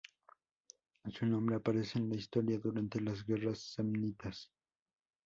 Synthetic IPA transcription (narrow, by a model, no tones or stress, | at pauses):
sunombɾeapaɾe̞seːnlaist̪o̞ɾjaðuɾant̪e̞laz̬ɡe̞rasːemnit̪as